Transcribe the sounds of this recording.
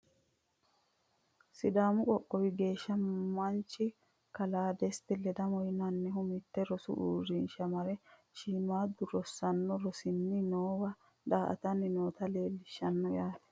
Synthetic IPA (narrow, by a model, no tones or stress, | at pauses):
sɪd̪aːmʊkʼɔkʼːɔwɪɡe̞ːʃːɐmmːɐnt͡ʃːɪ | kɐlaːd̪ɛst̪ɪlɛd̪ɐmɔjɪnɐnːɛɦʊmɪt̪ːɛɾɔsʊ̰ʔṵːɾɪnʃɐmɐɾɛ | ʃiːmaːd̪ʊɾɔsːɐnːɔɾɔsɪnːɪnoːwɐ | d̪aːʔɐ̰t̪ɐnːɪnoːt̪ɐle̞ːlːɪʃːɐnːɔjaːt̪ɛ̥